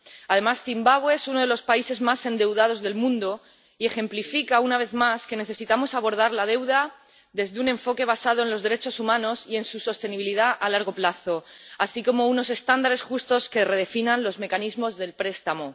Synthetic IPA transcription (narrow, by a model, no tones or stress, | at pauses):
að̞e̞masθimbaβweesuno̞ð̞e̞lo̞spaise̞zmasẽ̞nd̪e̞wðað̞o̞zðe̞lmũnd̪o | ie̞xe̞mplifikaunaβe̞θmaske̞ne̞θe̞sit̪amo̞saβ̞o̞ɾð̞aɾlað̞e̞wða | ðe̞zðeune̞ɱfo̞ke̞β̞asað̞o̞e̞nlo̞zðe̞ɾe̞t͡ʃo̞sumãno̞sie̞nsuso̞st̪e̞niβiliðaʔalaɾɣ̞o̞plaθo̞asiko̞mo̞uno̞s̬e̞st̪and̪aɾe̞sxust̪o̞ske̞re̞ðe̞finãnlo̞zme̞kanizmo̞zðe̞lpɾe̞st̪amo̞